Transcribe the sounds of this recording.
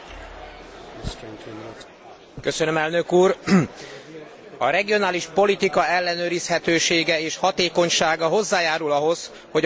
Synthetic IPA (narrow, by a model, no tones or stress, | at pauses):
køsønømɛlnø̞kuːr | ɒɾɛɡijo̞naːliʃpo̞lit̪ikɒɛlːɛnøːɾishɛt̪øːʃeːɡɛeːʃhɒt̪eːko̞ɲʃaːɡɒɦo̞zːaːjaːɾulɒɦo̞z | ho̞ɟ